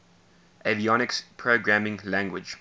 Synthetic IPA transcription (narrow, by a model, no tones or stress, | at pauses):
ʔeviɔnɪkspʰɹoʊɡɹæmɪ̃ŋlæ̃ŋɡwɪ̰d͡ʒ